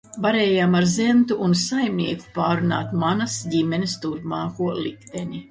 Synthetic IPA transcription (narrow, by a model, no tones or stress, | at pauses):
vaɾeːjaːmaɾzɛnt̪uʔunsajmniɛku̥paːɾuna̰ːt̪manɐsɟimʲɛnʲist̪uɾpmaːkuɔlˠikt̪enʲi